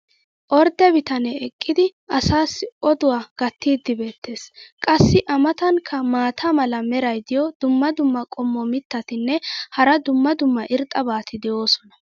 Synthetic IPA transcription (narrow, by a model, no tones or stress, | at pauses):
ʔɔɾd̪ɛbɪt̪ɐnɛɛkʼːɪd̪ɪʔɐsaːsʔɔd̪ʊwaːɡ̥ɐt̪ːiːd̪ːɪbe̞ːt̪ːe̞ːskʼɐsːɪʔɐmɐt̪ɐŋkʰɐmaːt̪ʰamɐlɐmɛɾɐjd̪ɪjɔd̪̥ʊmːɐd̪ʊmːɐkʼɔmːɔmɪt̪ːɐt̪ɪnːɛhɐɾɐd̪ʊmːɐd̪ʊmːɐʔɪɾt̪ʼːɐbaːt̪ʰɪd̪ɛʔo̞ːsɔnɐ̥